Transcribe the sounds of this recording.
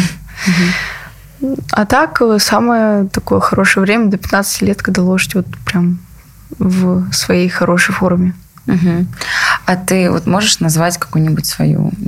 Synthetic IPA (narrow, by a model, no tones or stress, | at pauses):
ɦ̩ | ɐ̰t̪akəsaməjət̪ɐkojəxɐɾo̞ʂɨjəvɾʲemʲəd̪əpʲɪt̪nat̪sɨ̥tʲɪlʲet̪̚kɐɡd̪alˠo̞ʐɨtʲvo̞t̪pɾʲam | vsvɐjejxɐɾʔo̞ʂɨjfoɾəvʲmʲɪ | m̩ɦm̩ | ɐt̪ɨvo̰t̪mo̞ʐɨʂnɐzvatʲkɐ̥kujnʲɪbutʲsvɐ̰jṵ